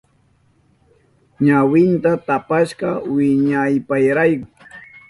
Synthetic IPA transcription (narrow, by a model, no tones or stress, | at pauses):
ɲawɪnt̪at̪apaʃɢɑwɪɲajpajɾajkʊ